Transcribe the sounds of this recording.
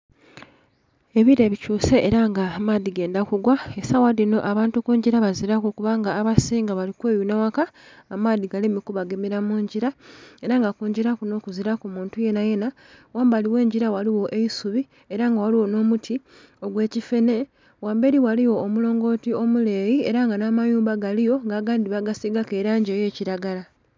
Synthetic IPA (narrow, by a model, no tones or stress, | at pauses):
e̞βiɾe̞βicuːse̞ʔeɾaŋɡamaːðiɡe̞ːndakuɡwaesawaðino̞ʔaβaːntukuːɲɟiɾaβaziɾakokuβaŋɡaːβasiːŋɡaβalikwe̞ːjunawakaːmadiɡalimikuβaɡemiɾamuːɲɟiɾae̞ɾaŋɡakuːɲɟiɾakuno̞ːkuziɾakumuːntuje̞naje̞na | waːmbaliwe̞ːɲɟiɾawaliwo̞ʔe̞isuβi | e̞ɾaŋɡawaliwo̞no̞ːmutʰi | o̞ɡwe̞ːcife̞ne̞ | waːmbe̞ɾiwaliwo̞ːmulo̞ːŋɡo̞tio̞mule̞ːjie̞ɾaŋɡanamajuːmbaɡalijo̞ŋɡaɡaːndiβaɡasiɡake̞ːɾaːɲɟeːje̞ːciɾaɡala